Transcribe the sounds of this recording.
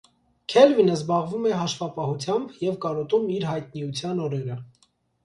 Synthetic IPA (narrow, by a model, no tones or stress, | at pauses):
kʰɛlvinəzbɑʁvumɛɦɑʃvɑpɑhut͡sʰjɑmbjɛvkɑɾɔt̪umiɾɦɑjt̪̚niut͡sʰjɑnɔɾɛɾə